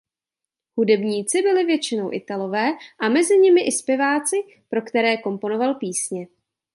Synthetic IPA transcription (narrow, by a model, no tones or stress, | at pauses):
hudɛbɲiːt͡sɪbɪlɪvjɛt͡ʃɪno̞wʔɪ̰t̪alo̞vɛːʔamɛzɪɲɪmɪʔɪspjɛvaːt͡sɪ | pɾo̞kt̪ɛɾɛːko̞mpo̞no̞valpiːsɲɛ